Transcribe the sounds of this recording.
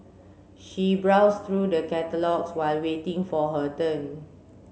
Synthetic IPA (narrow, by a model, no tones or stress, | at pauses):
ʃibɹawst̪ɹudəkɛtəlɔkswaɪlwetɪ̃ŋfɔɦətə̃n